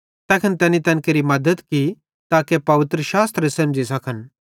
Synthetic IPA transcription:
t̪ɛːkʰənt̪ɛːnit̪ɛ̃ːnkeɾimɐd̪əd̪ki | t̪aːkepɐʋɪt̪ɾəʃaːst̪ɾesɐ̃md͡ʒisɐkʰən

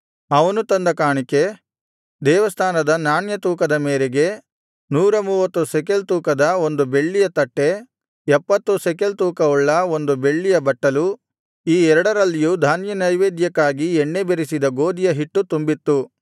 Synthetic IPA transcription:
ɐʋɐnut̪ɐnd̪ɐkaːɳike | d̪ɛːʋɐst̪ʰaːnɐd̪ɐnaːnjɐt̪uːkɐd̪ɐmeːɾeɡe̞ | nuːɾɐmuːʋɐt̪ːusɛkelt̪uːkɐd̪ɐo̞nd̪ubeɭːijɐt̪ɐʈːe̞ | ɛpːɐt̪ːusɛkelt̪uːkɐɔɭːɐo̞nd̪ube̞ɭːijɐbɐʈːɐlu | iːɛɾɐɽɐɾɐlːijud̪ʱaːnjɐnɐjʋeːd̪jɐkːaːɡiɛɳːebeɾisid̪ɐɡo̞ːd̪ijɐɦiʈːut̪umbit̪ːu

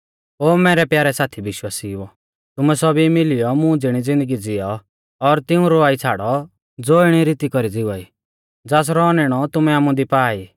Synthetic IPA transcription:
oːmɛːɾɛpjaːɾɛsaːt̪ʰiʋɪʃwaːsiɔ | t̪ʊmɛsɔbimɪlɪjɔmũd͡zɪɽ̃id͡zɪ̃nd̪əɡid͡zɪjɔː | ɾt̪ɪũɾoaːit͡sʰaːɽɔ | d͡zoːɪɽ̃iɾit̪ikɔɾid͡zɪʋaːi | d͡zaːs̬ɾɔːnɪɽ̃ɔt̪ʊmɛaːmũd̪ipaːi

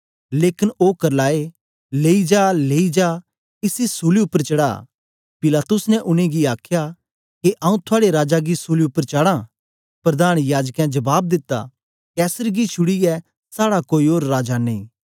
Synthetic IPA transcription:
leːkɪnoːkɐɾlaːe | leːid͡ʒaːleːid͡ʒaː | ɪsisuːliʊpːəɾt͡ʃɐɽa̰ː | pɪlaːt̪ʊsnɛʔʊñẽɡiaːkʰja | keʔɐ̃ũt̪ʰʊaːɽeɾaːd͡ʒaɡisuːliʊpːəɾt͡ʃaːɽã | pɾɐd̪aːɽ̃jaːd͡ʒkɛ̃d͡ʒɐbaːb̚d̪ɪt̪ːa̰ | kɛːsəɾɡit͡ʃʰʊɽiɛ | saːɽakoːioːɾːaːd͡ʒanḭ̃ː

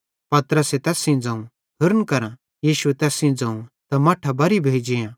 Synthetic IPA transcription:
pɐt̪ɾəset̪ɛːsĩd͡zãːũ | ɦʊɾənkɐɾã | jiːʃuɛt̪ɛːsĩd͡zãːũt̪amɐʈʰabɐɾibʱeːd͡ʒijã

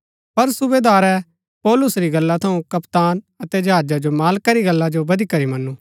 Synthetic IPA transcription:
pɐɾsʊbeːd̪aːɾɛ | pɔːlʊsɾiɡɐlːat̪ʰɐũkɐpt̪aːn | ɐt̪ɛd͡ʒɐɦaːd͡ʒad͡ʒomaːlkaɾiɡɐlːad͡ʒobɐd̪ikɐɾimɐnːũː

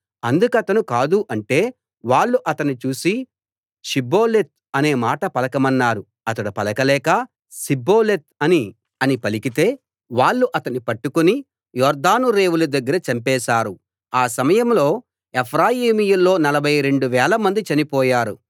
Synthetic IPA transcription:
ɐnd̪ukɐt̪ɐnukaːd̪uʔɐɳʈe̞ː | ʋaːɭːuʔɐt̪ɐnːit͡ʃuːsi | ʃibo̞ːlet̪̚ɐne̞ːmaːʈɐpɐlɐkɐmɐnːaːɾu | ɐt̪ɐɽupɐlɐkɐlɛːkɐ | sibo̞ːlet̪̚ɐni | ɐnipɐlikit̪e̞ː | ʋaːɭːuʔɐt̪ɐnipɐʈːukuni | jɔːɾd̪aːnuɾe̞ːwulud̪ɐɡːɐɾɐt͡ʃɐmpɛːʃaːɾu | aːsɐmɐjɐmlo̞ː | epʰɾaːjiːmijulːo̞ːnɐlɐbʱɐjɾe̞ɳɖuʋɛːlɐmɐnd̪it͡ʃɐnipɔːjaːɾu

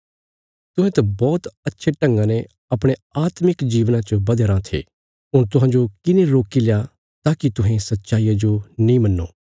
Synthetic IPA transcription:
t̪ʊ̃ɦẽt̪ɐbɔːt̪ɐtːʃʰeʈɐ̃ŋɡãne | ɐpɽ̃eaːt̪mɪkd͡ʒiːʋnãt͡ʃəbɐd̪əɾãt̪ʰḛː | ɦʊɾt̪ʊɦãːɲd͡ʒokɪneɾoːkileja | t̪aːkit̪ʊɦẽsɐtːʃaːiːjad͡ʒonĩmɐnːo̰ː

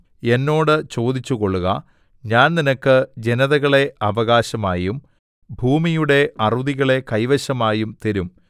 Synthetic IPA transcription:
e̞nːo̞ːɽɨt͡ɕo̞ːd̪it͡ɕːuɣo̞ɭːuɣɐ | ɲaːnninɐkːɨd͡ʑenɐðɐɣɐɭe̞ʔɐʋɐɣaːɕɐmaːjum | bʱuːmijuɽe̞ʔɐruðiɣɐɭe̞kɐjʋɐɕɐmaːjumt̪eɾum

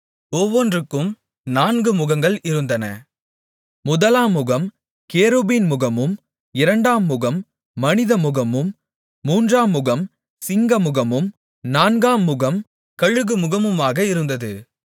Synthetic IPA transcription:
ɔʋːɔndrɯkːɯm | naːnɡɯmʊɣɐŋɡɐɭɪɾɯnd̪ɐnɐ̰ | mʊðɐlaːmːʊɣɐm | keːɾobiːnmʊɣɐmɯm | ɪɾɐɳɖaːmːʊɣɐmː | ɐnɪðɐmʊɣɐmɯmː | uːndraːmːʊɣɐm | sɪŋɡɐmʊɣɐmɯm | naːnɡaːmːʊɣɐm | kɐɻɯɣɯmʊɣɐmɯmaːɣɐɪɾɯnd̪ɐðɯ

